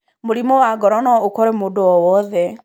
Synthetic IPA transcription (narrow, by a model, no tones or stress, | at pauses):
moɾimɔwaɡɔɾɔnɔokɔɾɛmoːdoɔwɔðɛ